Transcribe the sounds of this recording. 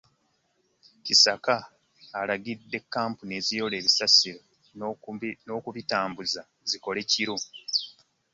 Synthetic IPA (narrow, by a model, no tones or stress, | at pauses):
cisakaː | laɡidːe̞kːaːmpune̞zijo̞le̞ːβisasiɾo | no̞ːkuβitaːmbuza | ziko̞le̞ciɾu